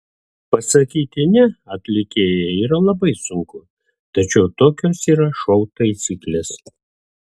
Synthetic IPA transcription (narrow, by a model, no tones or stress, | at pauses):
pɐsɐkʲiːt̪ʲɪnʲɛɐt̪ʲlʲɪkʲeːjɛiːɾɐlˠɐbɐɪsʊŋkʊ | t̪ɐt͡ʃʲɛʊt̪oːkʲoːsiːɾɐʃɔʊt̪ɐɪsʲiːklʲeːs